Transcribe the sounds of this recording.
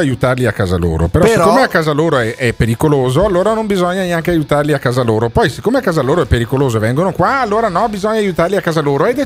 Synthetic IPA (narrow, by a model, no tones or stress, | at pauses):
ajut̪arliakːaːza̰lo̰ːɾo̰peɾɔsseɾkomeakːaːzaloːɾoɛʔɛpːeɾikoloːzoalːoːɾanombizɔɲːaneaŋkeajut̪arliakːaːzaloːɾopɔjse̥kːoːmeakːaːzaloːɾoɛpːeɾikoloːzoevɛŋɡonokwaːlːoːɾanɔbizɔɲaːjut̪aɾliakːaːzaloːɾoɛd̪e